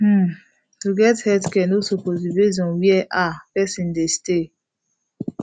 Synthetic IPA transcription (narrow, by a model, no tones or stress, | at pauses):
h̩ | tuɡɛthɛdkɛ̃nosopozibezɔ̃wiɛʔapɛsĩndeste